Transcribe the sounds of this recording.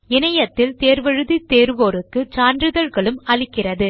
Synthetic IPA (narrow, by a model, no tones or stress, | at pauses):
ɪnɐjɐt̪ːɪlt̪eːɾʋɐɻɯðit̪ːeːɾʋoːɾɯkːɯt͡ʃaːndrɯðɐlɣɐɭɯmɐɭɪkːɪrɐðɯ